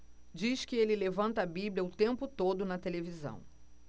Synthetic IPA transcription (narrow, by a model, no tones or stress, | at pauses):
d͡ʒiskɪelɪlevɐ̃nt̪ɐbiblʲjɐʊt̪ẽmpʊt̪od̪ʊnɐt̪elevizɐ̰̃w̃